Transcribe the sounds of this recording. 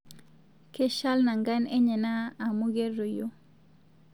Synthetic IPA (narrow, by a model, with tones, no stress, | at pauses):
ke˦ʃa˦lna˨ŋɡa˦nɛ˦ɲe˨naː˦˨mu˦ɡe˦rːo˨jo˦